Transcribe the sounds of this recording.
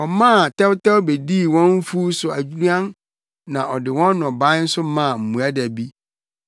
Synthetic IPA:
ɔ˨mãː˦˨tʰɛ˦wtɛ˦wbe˨di˦˨wɔ̃˦n˦fu˦sʊ˨a˨d͡ʑu˦ɾã˦n | nã˨ʔɔ˨dɪ˨wɔ̃˦nː˦ɔ̃˨ba˦n̩˦sʊ˦mã˦˨m̩˨mũ˨a˦dæ˨bi˦

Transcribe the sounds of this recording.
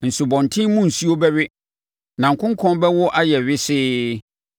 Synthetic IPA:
n̩˨su˨bɔ̃˨n˨tʰɪ̃˦mũ˦n̩˨su˦o˦bɛ˦ɥɪ˦ | nã˨ŋ̩˨kʰʊ̃˦ŋ˦kʰɔ̃˦bɛ˦wʊ˦ʔa˦jɛ˨ɥɪ˦sɪː˦

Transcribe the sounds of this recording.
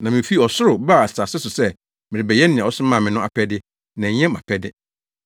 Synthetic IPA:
nã˨mɪ̃˨fi˦˨ɔ˨sʊ˦ɾʊ˨ba˦˨a˨sa˨sɛ˦sʊ˨sɛ˦ | mɪ̃˨ɾɪ˨bɛ˨jɛ˦nɪ̃˨ã˨ɔ˦sʊ˦mã˦˨mɪ̃˨nʊ̃˦a̰˨pʰɛ˦dɪ˦ | nɛ̃˨ɲɛ̃˦mã̰˨pʰɛ˦dɪ˦

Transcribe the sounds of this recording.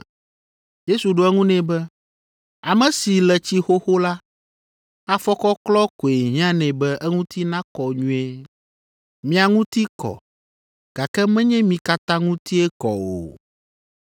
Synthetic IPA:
je˦su˨ɖo˦ɛ˦ŋũ˦nɛ̃˨bɛ˦ | a˨mɛ̃˨si˨lɛ˨t͡ɕi˦xo˦xo˦la˦ | a˨fɔ˦kɔ˦klɔ˦ko˨e˨ɲĩ˦ã˦nɛ̃˨bɛ˦ʔɛ˦ŋũ˦t̪i˦nã˦kɔ˨ɲũ˦e˦ | mĩ˦a˨ŋũ˦t̪i˦kɔ̰˨ | ɡ̥a˨kɛ˦mɛ̃˦ɲɛ̃˦mĩ˨ka˦t̪ã˦ŋũ˦t̪i˦ɛ˦kɔ̰˨o̰˨

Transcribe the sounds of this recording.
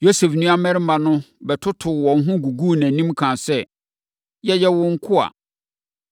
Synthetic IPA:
jo˦se˨fnũ˦a˦mɛ̃˦ɾɪ˦mã˨nʊ̃˦bɛ˨tʰʊ˦tʰʊ˨wɔ̃˨n˦ɦʊ̃˦ɡu˨ɡu˦˨næ̃˨nĩ˦mkʰã˨sɛ˦ | jɛ˦jɛ˦wʊ˦ŋ̩˦kʰʊ˦a̰˨

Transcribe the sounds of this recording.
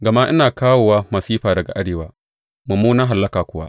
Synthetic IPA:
ɡɐ˨ma˦ʔɪ˦naː˨kaː˦woː˨wa˦mɐ˨siː˦ɸaː˨dɐ˨ɡa̰˨ʔa˦ɽeː˨waː˦ | mʊ˨muː˦naː˦ɦa˨lːɐ˦kaː˨kʷʊ˦wa̰˦

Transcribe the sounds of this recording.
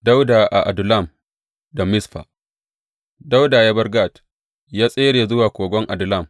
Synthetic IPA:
da˦wdaː˨ʔa˨ʔa˨dʊ˨la˦˨m | da˨mɪ˦sɸa̰ː˨ | da˦wdaː˨ja˦bɐ˦rɡa˦˨t | jaː˦sʼeː˦ɽeː˨zʊ˦waː˨kʷoː˨ɡʷɔ˦ŋʔa˨dʊ˨la˦˨m

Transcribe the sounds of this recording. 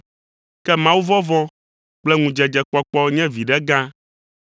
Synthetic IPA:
kɛ˦mã˦wu˦vɔ˦vɔ̃˦ | k͡plɛ˦ŋũ˨d͡ʒɛ˨d͡ʒɛ˨k͡pɔ˦k͡pɔ˦ɲɛ̃˦vi˨ɖɛ˦ɡã˦

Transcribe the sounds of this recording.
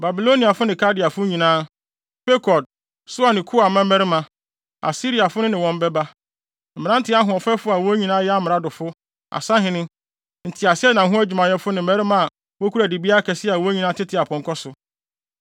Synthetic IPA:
ba˨bi˨lo˦nĩ˨a˨fʊ˦nɪ̃˨kʰa˦dɪ˨a˨fʊ˦ɲĩ˨nãː˦ | pe˦kʰɔ˨d̚ | sʊ˦a˦˨nɪ̃˨kʰʊ˦a˨mã˦mɛ˦ɾɪ˦mã˨ | a̰˨si˦ɾi˨a˨fʊ˦nʊ̃˦nɪ̃˨wɔ̃˨m˦bɛ˦ba˦ | m̩˨ɪ̃˨nã˦n̩˦tʰɪ˦a˦ɦʊ̃˨ɔ˨fɛ˦fʊ˦a˨wɔ˦ɲĩ˨nãː˦jɛ˦a˦m˦mɪ̃˨ɾa˦dʊ˨fʊ˦ | a̰˨sã˦ɦɪ̃˨nɪ̃˦ | n̩˨tʰɪ˨a˨sɪ˦ɛ˦nã˨ɦʊ̃˦æ˦d͡ʑᶣi˨mã˨jɛ˦fʊ˦nɪ̃˨m̩˦ɛ˦ɾɪ˦mã˦a˨ | wɔ˦kʰu˦ɾæ˨di˨bi˦a˦kʰɛ˨sɪ˦a˨wɔ˦ɲĩ˦nã˦tʰɪ˦tʰɪ˨a˨pʰɔ̃˨ŋkʰɔ˦sʊ˨

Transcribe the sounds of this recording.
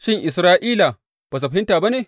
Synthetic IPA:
ʃɪ˦˨ŋʔɪ˨sɾaː˦ʔiː˦la˨ | b̥aː˨s̬a˨ɸa˨˦ɪ˦ntaː˨ba˦neː˨

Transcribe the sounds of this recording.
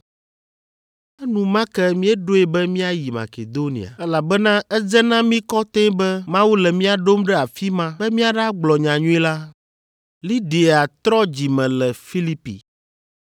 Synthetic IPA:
ɛ˦nũ˨mã˦kɛ˦mĩ˦ɛ˦ɖo˦e˨bɛ˦mĩ˦a˦ji˨ma̰˨ke˨d̪o˦nḭ˨a̰˨ɛ˦la˨bɛ˦nã˦ɛ˦d͡zɛ˦nã˦mĩ˦kɔ˦t̪ɛ̃˦bɛ˦mã˦wu˦lɛ˨mĩ˦a˨ɖo˦mɖɛ˦a˨fi˦mã˦bɛ˦mĩ˦a˨ɖa˦ɡ͡blɔ˨ɲã˨ɲũ˦i˦la˦ | li˦ɖe˨a˨t̪ɾɔ˦d͡ʑi˨mɛ̃˨lɛ˨fi˦li˦pḭ˨

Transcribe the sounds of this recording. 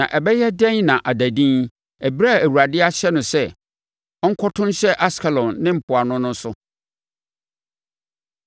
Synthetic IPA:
nã˨ʔɛ˨bɛ˦jɛ˦dɛ̃˦nnã˨ʔa˨dæ˨dĩ˦ | ɛ˨bɾa˦˨æ˨wu˨ɾa˨dɪ˦a˦ɕɛ˦nʊ̃˨sɛ˦ | ɔ˦ŋ̩˦kʰɔ˦tʰʊ̃˦n˦ɕɛ˦ʔa˦skʰɛ˨lɔ̃˨nːɪ̃˦m̩˨pʰʊ˨a˨nʊ̃˦nʊ̃˦n˦sʊ˦

